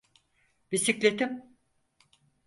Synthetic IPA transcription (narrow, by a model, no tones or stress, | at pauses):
bisiklʲet̪ʰim